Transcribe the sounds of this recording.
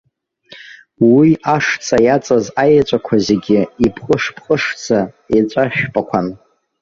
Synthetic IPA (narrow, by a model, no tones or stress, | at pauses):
wiaʂt͡sʰʼajat͡sʼazajat͡ʃʷʼakʷʰazeɡʲɪipʰχʼəʂpʰχʼəʂd͡zʰa | et͡ʃʷʼaʃᶣpʼakʷʰan